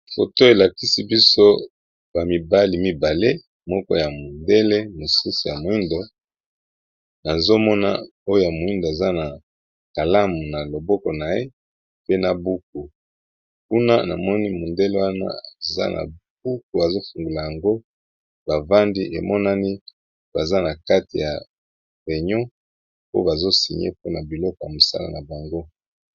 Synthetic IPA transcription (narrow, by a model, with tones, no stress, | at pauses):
fo˨to˦e˨la˨ki˦si˦bi˦so˦ | ba˨mi˨ba˦li˨mi˨ba˨le˦ | mɔ˦kɔ̰˦ja˨mo˨nde˦le˦mo˨su˦su˨ja˨mo˨i˦ndo˨ | na˨zo˦mɔ˦na̰˦ | o˦jo˦ja˨mo˨i˦ndo˨e˨za˦na˨ | ka˨la˦mu˨na˨lo˨bɔ˦kɔ˨na˨e˦ | pe˦na˨bu˦k̚u˨ | ku˦na˦na˨mɔ˦ni˦mo˨ndɛ˦lo˦wa˦na̰˦a˨za̰˦nʔa̰˨b̥u˦ku˨a˨zo˦fu˨ŋɡu˨la˨ja˨ŋɡo˦ | ba˨va˦ndi˦ʔe˨mɔ˦na˦ni˦ | b̥a˨za˦na˨ka˦ti˨ja˨ | bɛ˨ɲɔ̃˦ | po̰˦ba˨zo˦si˨ɲḛ˦po˦na˨bi˨lɔ˦kɔ˨ja˨mo˨sa̰˦la̰˨na˨ba˨ŋɡo˦